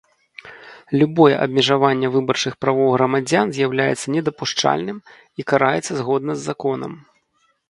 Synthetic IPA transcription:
lʲubɔjɛʔɐ̰b̚ʲmʲɛʐavanʲːɛvɨbɐrt͡ʂɨxpɾavɔwɣɾɐmad͡zʲanzʲjawlʲajɛ̰t̪sːɐnʲɛd̪ɐpuʂt͡ʂa̰lʲnɨm | ikaɾajɛt̪sːɐzɣɔd̪̚nɐzːakɔnɐ̰m

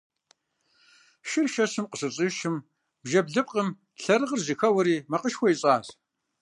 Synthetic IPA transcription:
ʃɪrʃɐsɨmqəsɨt͡sʼiʃɨm | bʒɐbɮɨp̚qʼəm | ɬɐrɨʁərzixɐwɐɾiːmɐqəʃxʷɔiɕʼaːz

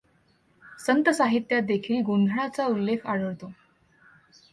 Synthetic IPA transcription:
sənt̪əsaɦit̪jat̪̚d̪ekʰiːlɡond̪ʱɭat͡saulːekʰaɽəɭt̪o

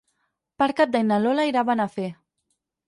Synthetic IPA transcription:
paɾkat̪̚d̪ajnalolaiɾaβanafe

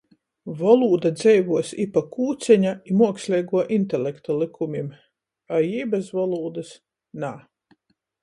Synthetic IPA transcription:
vɔlˠuːd̪ad̪zɛjvuɔsipakuːt̪sʲɛɲaimuɔkslʲiːɡuɔʔint̪ɛlʲɛkt̪alˠikʰumʲim | ajiːbasvɔlˠuːd̪as | naː

